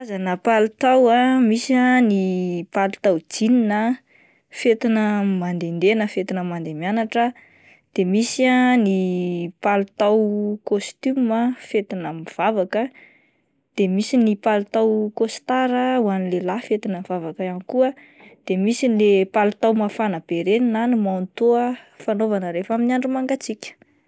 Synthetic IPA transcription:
azanəpalut̪awamisanipalut̪awd͡zininə | fet̪inəmand̪end̪enəfet̪inəmand̪emanaʈ͡ʂə | d̪̥emisianipalut̪awkost̪yməfet̪inəmiv̥avakə | d̪̥emisinipalut̪awkost̪aɾəwanilelafet̪inəvavakəanikuə | d̪̥emisinlepalut̪awmafanab̥eɾeninanimant̪oəfanovanəɾefaminaɳɖ͡ʐumaŋɡat͡sikʲə̥

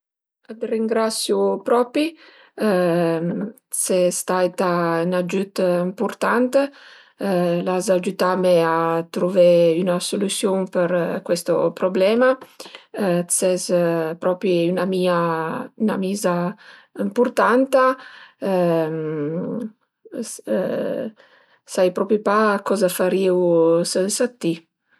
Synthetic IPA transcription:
ad̪riŋɡɾat̪sːjupɾɔːpi | sest̪ajt̪anad͡ʒyt̪impurt̪ant̪e | lazad͡ʒut̪ameat̪ɾuveynasolusjonpeɾkwɛst̪o̰pɾoblɛːma | sɛzpɾɔpɾiynamiːayna̰miːzaimpurt̪ant̪a | m | sajpɾɔpɾipakɔzafaɾiwsɛnsat̪ːi

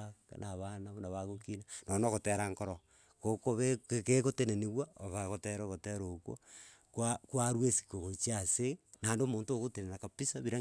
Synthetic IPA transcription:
naβanaβonaβaɣokinanonoɣoteɾaŋkoɾo | kokoβeekekoteneneβwaoβaɣoteɾoɣoteɾokwo̰ | kwakwaɾwesi̥koɣot͡ʃiasenaːndoːmoːntoːɣotenenakapisaβiɾa

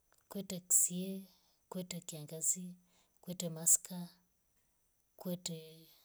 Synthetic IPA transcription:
kwɛtɛksiɛ | kwɛtɛkiaŋɡazi | kwɛtɛmaska | kwɛtɛ

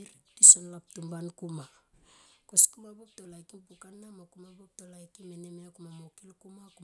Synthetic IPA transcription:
ɾ̚tisonlap̚tumbankuma | koskumabop̚tolajkimpukanːamakumabop̚tolajkimenemeakumamokilkumaku

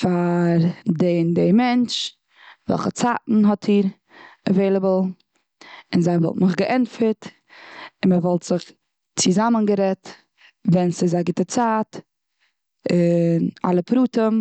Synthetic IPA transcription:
faɾdendɪmɛnt͡ʃ | vɛ̰lˠχət͡saːtn̩ɦɔtʰiːɾ | əveɪlˠəbəl̩ˠ | ɪnzaɪvɔ̰lˠtnʊχɡəʔɛnfəɾt | ɪnməvɔlˠtz̥ɪχ | t͡sɪzamənɡəɾɛt | vɛnsɪzaɡɪtət͡saːt | ɪna̰lˠəpɾuːtəm

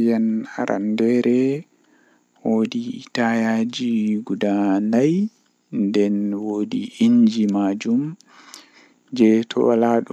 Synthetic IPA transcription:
jana̰ɾa̰ndɛɾɛ | woditajad͡ʒiɡudanaj | ndɛnwoːdiʔiɲd͡ʒimad͡ʒum | d͡ʒɛtʰɔ̰walaɗu

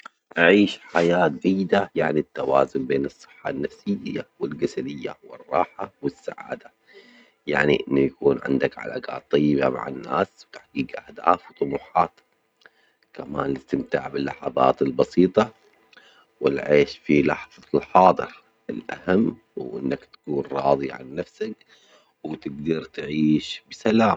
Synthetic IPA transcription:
ʔaʕiːʃħajaːt̪̚d͡ʒajːɪd̪ajaʕnit̪ːawaːzʊnbeːnɨsˤːɨ̥ħːanːafsɪjːawɪlɡasalɪjːawɪrˤːɑːħawɪsːaʕa̰ːd̪a | ja̰ʕniʔɪnːujakuːnʕɪ̰nd̪akʕa̰la̰ːka̰ːt̪ˤːɑjːɪbama̰ʕa̰nːa̰ːswt̪aħɡiːkʔahd̪a̰ːfwt̪ˤʊmuːħɑːt̪ | kamaːnlɪt̪ɪmt̪aʕbɪlːaħɑbɑ̰ːt̪ɪlbɑsiːt̪ˤɑ | wɪlʕeːʃfilɑħðˤɑlħɑːd̪ˤɨɾ | ʔɪlʔa̰hamː | wʔɪ̰nːakt̪ḁkuːnɾˤɑːðˤiʕa̰nːafsak | wt̪ɪɡd̪ɑɾˤt̪ʕiːʃbɪsalaːm

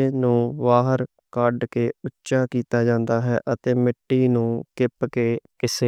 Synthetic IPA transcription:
nũːʋaːɦəɾ | kəɖkeːʊtːʃaːkiːt̪aːd͡ʒãːnd̪aːɦɛ̰ːʔət̪eːmɪʈːiːnũːkɪpkeːkɪseː

